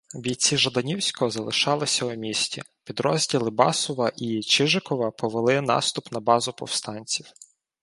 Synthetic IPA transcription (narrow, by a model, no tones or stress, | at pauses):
bʲijʲt͡sʲiʒɐd̪ɐnʲiwsʲkɔzɐlˠɪʃɑlˠɪsʲɐumʲisʲtʲi | pʲid̪ɾɔzʲdʲilˠɪbɑ̰sɔʋɐʔit͡ʃɪʒɪkɔʋɐpɔʋelˠɪn̪ɑ̰st̪ʊpnɐbɑzʊpɔ̰wst̪ɑnʲt͡sʲiw